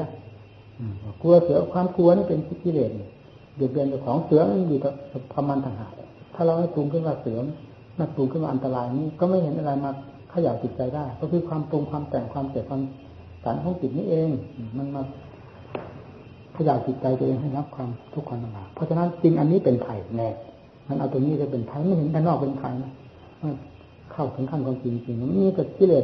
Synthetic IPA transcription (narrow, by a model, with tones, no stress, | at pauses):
ʔɯː˨˩mː˧˩ku˧ɐsɯ˨˩˦ɐkʰwaː˧mklu˧ɐniː˥˩pe˧nt͡ɕi˨˦t̪̚ki˧leː˨˩t̪̚ni˨˩ | dɨ˨˩t̚bi˧nt͡ɕa˧˩wkʰɔː˨˦ŋsɯ˨˦ɐ˦ʔjuː˨˩k̪ɔ˨˩˨kʰa˧mːaː˧nt̪ʰa˧˩ŋɦa̰ː˨˩t̪̚ | t̪ʰaː˥˩ɾa˧wna˥˩t̪uː˧ŋkʰɯ˥˩nwaː˧˩sɯː˨˩˦m | ma˧˥˩t̪uː˧ŋkʰɯ˧˩˨nwaː˧ʔnt̪a˧laː˧jniː˦˥˨kɔː˥˩ma˥˩jɦe˨˦nʔa˧ɾa˧jmaː˧ | kʰa˧˩jaː˨˩w̚t͡ɕi˨˩t̪̚t͡ɕa˧jdaː˥˩jkɔː˧˩kʰɯː˧kʰwaː˧mt̪u˧ŋkʰwaː˧mt̪ɛː˨˩ŋkʰwaː˧msi˨˩p̚kʰaː˧m | sa˨˦nkʰɔː˨˦ŋt͡ɕi˨˩t̪̚niː˦˥ʔeː˧ŋː˨˩ma˧nma˧˩k̚ | kʰa˧jaː˨˩wt͡ɕi˨˩t̪̚t͡ɕa˧jt̪u˧ʔeː˧ŋɦa˥˩jɾa˦˥˩p̚kʰwaː˧mt̪ʰu˦˥kʰːa˧nʔa˧˩aː˨˩k̚pʰɔ˧˥t͡ɕʰa˧na˦˥nt͡ɕi˧ŋʔa˧nːiː˦˥˨pe˨npʰa˧˩jnɛː˧˩ | ma˧nʔa˧wt̪u˧ni˦˥˧t͡ɕa˧˩pe˨npʰa˧˩˦ma˧˥˩jhe˨˦nt̪ʰa˧˩nɔː˥˩k̚pe˧nkʰa˧jna˦˥ | maː˧˥˩ | kʰa˧˨˩wt̪ʰɯ˨˩˦ŋkʰa˧˥˩nkʰwaː˧mt͡ɕi˧ŋi˧t͡ɕi˧ŋnɔ˧˩m˧˨miː˧˥˩ka˧˩ki˧˥leː˧˨˩